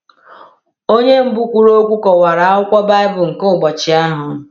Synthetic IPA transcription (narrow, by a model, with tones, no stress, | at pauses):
o˦ɲe˦m̩˦bu˦kʷu˨ɾo˦kʷu˦kɔ˨wa˨ɾa˨a˦ɦʊ˦kʷɔ˦ba˦ɪ˦bʊ˨ŋ̩˨kʊ˦˨bɔ˨t͡ʃɪ˨a˦ɦʊ˨